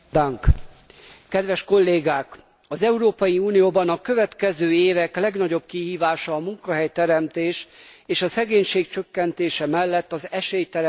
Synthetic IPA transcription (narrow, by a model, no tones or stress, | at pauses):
d̪ɒŋk | kɛd̪ʋɛʃko̞lːeːɡaːk | ɒzɛuɾoːpɒjiuːnijoːbɒnɒkø̞vɛt̪kɛzøːeːvɛklɛɡnɒɟo̞b̚kiɦiːvaːʃɒːmuŋkɒɦɛjt̪ɛɾɛmt̪eːʃeːʃɒsɛɡeːɲʃeːk̚t͡ʃø̞kːɛnt̪eːʃɛmɛlːɛt̪ːɒzɛʃeːjt̪ɛɾ